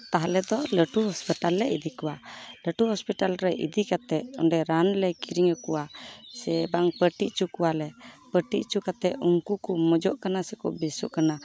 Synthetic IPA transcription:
t̪aɦalɛd̪ɔləʈuɦɔspiʈalːɛid̪iʔkɔwaləʈuɦɔspiʈalɾɛʔḭd̪iʔkat̪ɛʔɔ̰ɳɖɛɾanlɛjkiɾiŋəkuwasɛbaŋpəʈiʔt͡ʃukuwalɛpəʈiʔt͡ʃukat̪ɛʔuŋkukumɔd͡ʒɔʔkanasɛkɔ̰bɛsṵʔkana

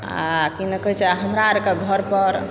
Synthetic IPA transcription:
a̰kinəkəɦit͡ʃʰeaɦəmɾaɾekaɡʱəɾpəɾ

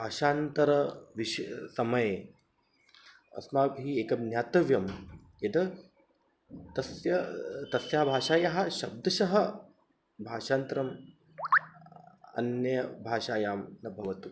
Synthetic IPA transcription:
bʱaːʃaːnt̪ɐɾɐʋiʃsɐmɐje | ɐ̰smaːbɦiːeːkɐnjaːt̪ɐʋjɐm | jɐd̪ɐ | t̪ɐsjɐt̪ɐsjaːɦɐbʱaːʃaːjaɦɐ̆ʃɐb̚d̪ɐʃɐɦɐ | bʱaːʃaːnt̪ɾɐm | ɐ̰njɐbʱaːʃaːjaːmnɐbʱɐʋɐt̪u

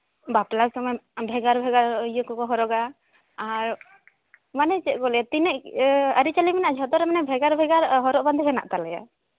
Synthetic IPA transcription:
baplaksɔmɔjbʱɛɡaɾbʱɛɡaɾjəkɔkɔɦɔɾɔɡa | aɾ | manɛt͡ʃɛkɔlɛat̪inɛʔaɾit͡ʃaliminaʔd͡ʒʱɔt̪ɔɾɛmanɛbʱɛɡaɾbʱɛɡaɾɦɔɾɔʔband̪ʱiɦɛna̰ʔt̪alɛja̰

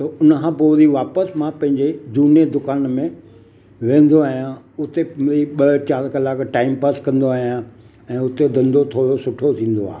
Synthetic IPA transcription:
t̪ɐʊnəkʰãːpoːɾiʋaːpəsmãpɐ̃ɦɪ̃ɲd͡ʑed͡ʑuːned̪ʊkaːnmẽ | ʋẽːn̆d̪oaːɦijã | ʊt̪eɾiɓɐt͡ɕaːɾkɐlaːkʈaːɪmpəskɐ̃nd̪oaːɦijã | ɛ̃ːʊt̪ed̪ɐ̃nd̪ot̪ʰoːɾosʊʈʰot̪ʰĩːn̆d̪oa̰ːe

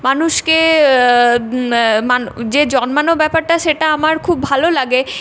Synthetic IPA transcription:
manuʃke | mand͡ʑed͡ʑɔnmanobɛpaɾʈaʃeʈaamaɾkʰubːʱalolaɡe

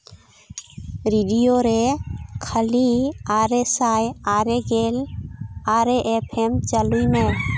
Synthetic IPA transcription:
ɾiɖijoɾekʰəliaɾesajaɾeɡelaɾeʔepʰemt͡ʃalujme

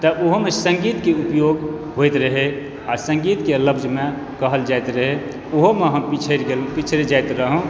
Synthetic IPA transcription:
t̪əoɦomesə̃ŋɡit̪keupjoɡɦojt̪ɾəɦe | asə̃ŋɡit̪keləbd͡ʒme | kəɦəld͡ʒaet̪ɾəɦe | oɦomeɦəmpit͡ʃʰəɾɡelpit͡ʃʰɾed͡ʒajt̪ɾəɦũ

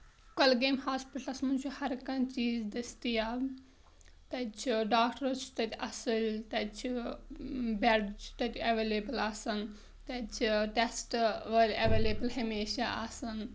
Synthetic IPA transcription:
kɐlɡeːmhaːspiʈlɐsmɐnt͡ʃʰuhɐɾkɐ̃nt͡ʃiːzd̪ɐst̪ijaː | t̪ɐt͡ʃʰiɖaːkʈɐt͡ʃʰu̥t̪ɐt̪ʲʰɐsilʲt̪ɐt͡ʃʰi | bɛɖt͡ʃʰu̥t̪ɐt̪ʲɐʋeːleːbɨlaːsɐn | t̪ɐt͡ʃʰiʈesʈʋɐɾʲɐʋeːleːbɨlɦɐmeːʃaʔa̰sɐn

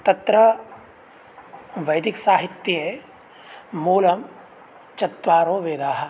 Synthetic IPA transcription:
t̪ɐt̪ɾɐ | ʋɐjd̪iksaːɦit̪ːjɐe | muːlɐm | t͡ʃɐt̪ʋaːɾoːʋeːd̪aːɦɐ̆

